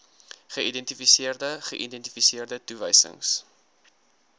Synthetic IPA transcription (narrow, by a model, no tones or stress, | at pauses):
χəidɛntifisiərdəχəʔidɛntifisiərdətuvəjsə̰ŋs